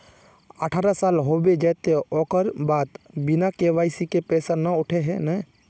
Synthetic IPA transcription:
əʈʰaːɾasaːlɦoːbed͡ʒɛːt̪eɔːkəɾbaːt̪bɪnakeːʋaːisikepɛːsanəʊʈʰeɦɛnɛ

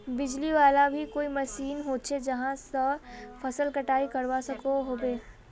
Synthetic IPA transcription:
bɪd͡ʒliʋaːlabʱikoːimɐʃiːnɦoːt̪̚t͡ʃʰed͡ʒɐɦãsɔfʰɐsəlkɐʈaːikɐɾʋasɐkoɦoːbeː

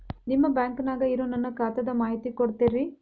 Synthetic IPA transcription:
nimːɐbjaːŋkɐnaːɡɐiɾoːnɐnːɐkaːt̪ɐd̪ɐmaːɦit̪ikoɽt̪eːɾi

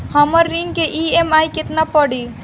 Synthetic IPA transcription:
həməɾːiŋɡkeʔiemajket̪napəɽi

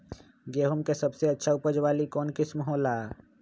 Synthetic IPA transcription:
ɡeːɦumkesɐbseɐtːʃʰaʊpəd͡ʒwaːlikɔːnkɪsməɦɔːlaː

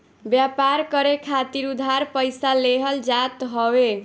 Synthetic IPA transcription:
bjapaɾkʌɾekʰat̪iɾud̪ʱaɾpʌjsaleɦʌld͡zat̪ɦʌwe

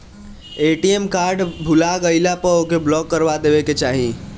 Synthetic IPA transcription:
eʈiemkaɾɖbʱulaɡəɪlapəokeblɔɡːəɾbad̪ebeket͡ʃaɦi

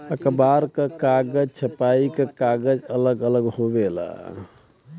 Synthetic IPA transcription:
əkəbaɾkəkaɡəd͡ʒt͡ʃʰəpaikekaɡəd͡ʒələɡələɡhobela̰

